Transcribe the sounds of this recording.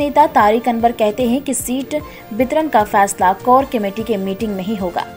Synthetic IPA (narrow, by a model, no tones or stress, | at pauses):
neːt̪at̪aːɾiːkɐnbəɾkɛɦt̪eɦɛ̃kisiːʈ | bɪt̪ɾənkafɛːslakɔːɾkɐmeːʈikemiːʈɪ̃ŋɡnɐɦĩɦoːɡa̰ː